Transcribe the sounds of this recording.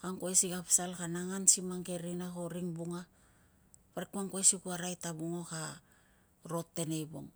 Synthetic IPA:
kaŋkoesiɡapsalkanaŋansimaŋɡe̞ɾinako̞ɾiŋbuŋa | paɾekuaŋkoesikuaɾajtabuŋo̞ka | ɾo̞tːe̞ne̞jbo̞̰ŋ

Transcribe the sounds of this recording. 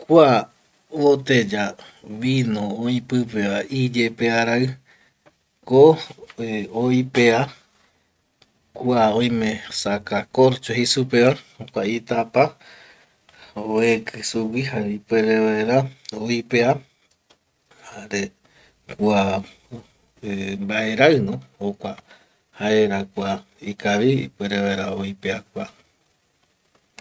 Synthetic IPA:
kʷa | ot̪ed͡ʒa | ʋinõoĩpɨpeaʔid͡ʒepeaɾaɨ | ko | oipea | kʷaõj̃mẽsakakoɾt͡ʃoɦisupeʋaokʷait̪apa | oekʰɨsuwihaɾipweɾeβaeɾaoipea | haɾe | kua | mbaeɾaɨnõhokʷa | haeɾakua | ikaβiḭpweɾeβaeɾaoipeakua

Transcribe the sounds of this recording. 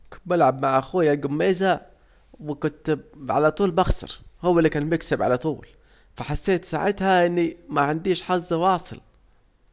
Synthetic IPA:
kbɪlʕabmaʕʔaxuːjaɡʊmːeːza | wɪkʊnt̪ʕa̰lat̪ˤuːlbɑxsɑ̰ɾˤhʊwːalːikaːnbɪksɪbʕa̰lat̪ˤuːl | faħasːeːt̪sa̰ːʕɪt̪haʔɪnːimaʕɪnd̪iːʃħɑzˤːwɑːsˤɨ̰l

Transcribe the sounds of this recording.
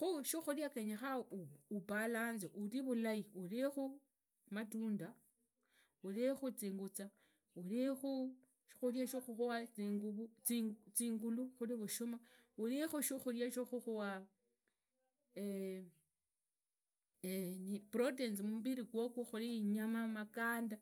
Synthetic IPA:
xuʃixuljakeɲexauupalaːnzeʔuliβulaiulixu | matuːnda | ulixut͡siːŋɡut͡sa | ulixu | ʃi̥xuljaʃoxuxuwat͡siŋɡuβut͡sit͡siːŋɡuluxuliβuʃomaulixuʃixuljaʃoxuxuwa | e | enipɾotensimumuβiɾikwokuxuliɲamamakaːnda

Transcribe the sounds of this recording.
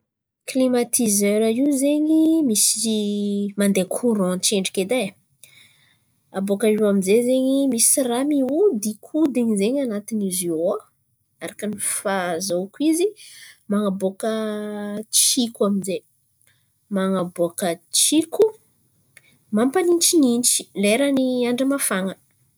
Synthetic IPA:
klimat̪ʰizøɾaiwzeɲimisi | mand̪ekʰuɾɔ̃t͡ʃeɳɖ͡ʐiked̪e | abokaiwaminzezeɲimisiramiud̪ikʰud̪eɲizeɲanat̪inizia | aɾakənifazokizimaŋabokə | t͡ʃikuaminze | maŋaboakət͡ʃiku | mampanint͡ʃinint͡ʃi̥leɾəniaɳɖ͡ʐəmafaŋə

